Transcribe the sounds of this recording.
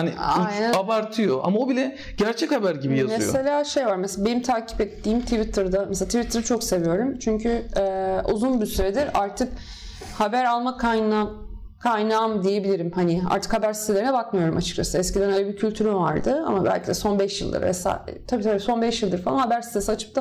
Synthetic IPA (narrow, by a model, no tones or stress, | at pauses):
haniijnæabaɾt̪ʰɯjo̞ʔa̰maobilʲɛ | ɟæɾt͡ʃʰɛchabæɾɟibijazmese̞lʲaːʃe̞jvaɾmeseabe̞nimt̪ʰaːcʰi̥pɛt̪ʰːiːmt̪ʰivit̪ʰɯɾd̪amselat̪ʰivit̪ʰɯɾɯt͡ʃʰo̞kse̞vijo̞ɾumt͡ʃʰyɲcʰyɛːṵzunbisyɾed̪iɾaɾt̪ʰɯk | habæɾalˠmakʰajna | kʰajnaːmd̪ije̞bilʲiɾimhanɪa̰ɾt̪ʰɯ̥khabæɾsist̪ʰeeɾinɛbakmɯjo̞ɾumat͡ʃʰɯ̥t͡ʃʰasɯɛscid̪ænalʲabicʰylʲt̪ʰyɾyvaɾd̪ɯa̰mabæ̰lʲcʰid̪ɛso̞nbɛʃjɯlˠd̪ɯ̰ɾmɛ̰sa̰t̪ʰabiːt̪ʰabiːso̞nbɛʃjɯlˠd̪ɯɾfalˠanhabæɾsi̥t̪ʰesiat͡ʃʰɯ̥p̚t̪ʰa